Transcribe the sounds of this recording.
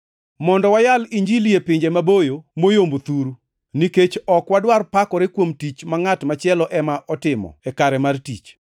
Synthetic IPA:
mɔndɔwajaliɲd͡ʒilijepɪɲd͡ʒemabojomojombot̪uɾu | niket͡ʃɔkwadwarpakɔɾekwomtit͡ʃmaŋatmat͡ʃɪɛlɔʔɛmaʔɔtɪmɔ̰ɛkaɾɛmartḭt͡ʃ

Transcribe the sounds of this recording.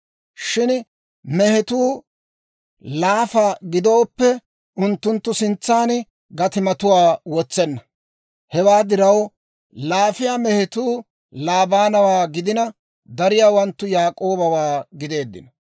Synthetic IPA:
ʃɪn | mɛhɛt̪uː | laːfaɡɪd̪o̞ːpːɛ | ʔʊnt̪ːʊnt̪ːʊsɪnt͡sːaːn | ɡɐt̪ɪmɐt̪ʊwaːwɔt͡sːɛnːɐ | hɛwaːd̪ɪɾɐw | laːfɪjaːmɛhɛt̪uː | laːbaːnɐwaːɡɪd̪ɪnɐ | d̪ɐɾɪjaːwɐnt̪ːʊjaːkʼo̞ːbɐwaːɡɪd̪e̞ːd̪ːɪ̰nɐ

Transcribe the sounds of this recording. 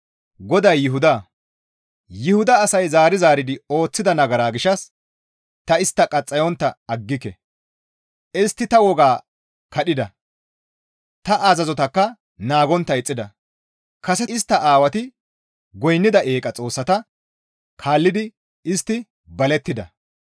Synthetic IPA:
ɡɔd̪ɐjːɪɦʊd̪aː | jɪhʊd̪ɐːsɐjzaːɾɪzaːɾɪd̪ɪo̞ːt͡sːɪd̪ɐnɐɡɐɾaːɡɪʃɐs | t̪ɐɪst̪ːɐkʼɐt͡sʼːɐjɔnt̪ːɐɐɡːɪkːɛ | ɪst̪ːɪt̪ɐwɔɡaː | kɐɗɪd̪ɐ | t̪ɐʔazɐzɔt̪ɐkːɐ | naːɡɔnt̪ːɐɪt͡sʼːɪd̪ɐ | kɐsɛɪst̪ːɐʔaːwɐt̪ɪ | ɡɔjnːɪd̪ɐʔe̞ːkʼɐt͡sʼo̞ːsːɐt̪ɐ | kʰaːlːɪd̪ɪ | ɪst̪ːɪ | bɐlɛt̪ːɪd̪ɐ̰

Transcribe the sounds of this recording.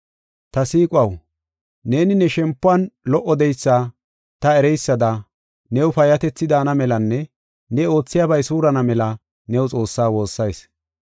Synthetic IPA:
t̪ɐsiːkʼwɐw | ne̞ːnɪnɛʃɛmpːʊɐnlɔʔːɔd̪ɛjsːaː | t̪ɐɛɾɛjsːɐd̪ɐ | nɛwfɐjɐt̪ɛt͡sːɪd̪aːnɐmɛlɐnːɛ | nɛo̞ːt͡sːɪjaːbɐjsuːɾɐnɐmɛlɐ | nɛwʊt͡sʼo̞ːsːaːwo̞ːsːɐjs

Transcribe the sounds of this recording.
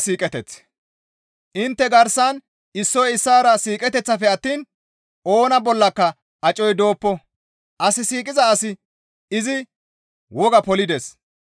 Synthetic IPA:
siːkʼɛt̪ɛt͡s | ʔɪnt̪ːɛɡɐɾsɐn | ɪsːɔjɪsːaːɾɐsiːkʼɛt̪ɛt͡sːɐfɛɐt̪ːiːn | o̞ːnɐbɔlːɐkːɐ | ɐt͡ʃʼɔjd̪o̞ːpːɔ | ʔɐsɪsiːkʼɪzɐːsɪ | ɪzɪ | wɔɡɐpɔlɪd̪ɛs

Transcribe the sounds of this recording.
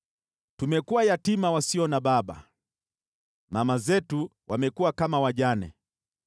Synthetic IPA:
tumɛkuwajatimawasiɔnaɓaɓa̰ | mamazɛtuwamɛkuwakamawaʄanɛ̰

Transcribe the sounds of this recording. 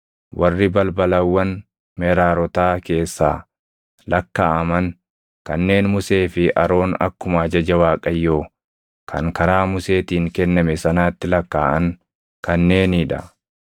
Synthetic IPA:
wʔɐrːɪbɐlbɐlɐwːɐn | mɛɾaːɾɔt̪aːke̞ːsːa̰ː | lɐkːaːʔɐmɐŋ | kɐnːe̞ːnmʊse̞ːfɪʔɐ̰ɾo̞ːnɐ̰kːʊmaːd͡ʒɐd͡ʒɐwaːkʼɐjːoː | kʰɐ̰ŋkɐɾaːmʊse̞ːt̪iːŋkɛnːɐmɛsɐnaːt̪ːɪlɐkːa̰ːʔɐŋ | kɐnːe̞ːniᶑɐ̰

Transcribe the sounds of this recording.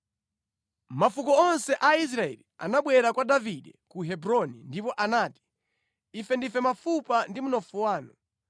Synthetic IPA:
mafukɔɔnsɛʔais̬ɾaɛ̰lia̰naɓwɛɾakwadaviɗɛkuɦɛbɾɔnindipɔʔanaːti̥ | ifɛndifɛmafupandimunɔfuwaːnṵ

